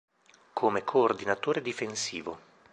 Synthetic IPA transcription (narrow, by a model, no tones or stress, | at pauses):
kʰomekʰoːrd̪inat̪oːɾed̪ifensiːvo̰